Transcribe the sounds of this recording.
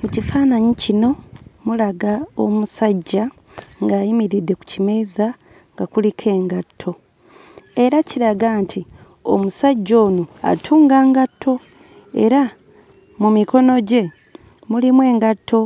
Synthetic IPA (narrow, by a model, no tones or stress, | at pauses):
mucifaːnaɲicino̞mulaɡao̰musaɟːa | ŋɡaːjimiɾidːe̞ku̥cime̞iza | ŋɡakulikʰe̞ːŋɡatʰːo̞ | e̞ɾaciɾaɡaːntʰi | o̰musaɟːo̞ːnoa̰tʰuːŋɡaːŋɡatʰːo̞ | e̞̰ɾa | mumiko̞no̞ɟe̞ | mulimwe̞ːŋɡatʰːo̞